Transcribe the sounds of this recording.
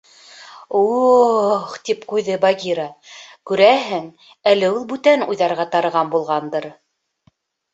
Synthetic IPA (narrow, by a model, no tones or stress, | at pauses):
u | χt̪ipqujðɤbɑɡʲiɾɑkʉɾæɦɘŋ | ælɘulˠbʉt̪ænṵjðɑɾʁɑt̪ɑɾɤ̆ʁɑnbulˠʁɑnd̪ɤɾ